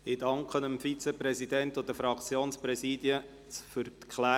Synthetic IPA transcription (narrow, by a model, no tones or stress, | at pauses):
ɪd̥ɑŋkχənəmfit͡sɛpɾɛsidɛnt̪ʊd̪əfɾɑkt͡sjoːnspɾɛsiːd̥jə | t͡sfʏɾt̪kʰlæː